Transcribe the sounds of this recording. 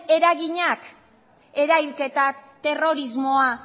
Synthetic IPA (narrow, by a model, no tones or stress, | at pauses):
e̞ɾaɣiɲak | e̞ɾajlke̞t̪at̪e̞ro̞ɾizmo̞a